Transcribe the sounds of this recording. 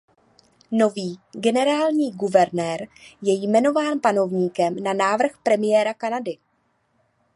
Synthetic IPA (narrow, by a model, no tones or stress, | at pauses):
no̞viːɡɛnɛɾaːlɲiːɡuvɛɾnɛːɾjɛjmɛno̞vaːnpano̞vɲiːkɛmnanaːvr̩xpɾɛmɪjɛːɾakanadɪ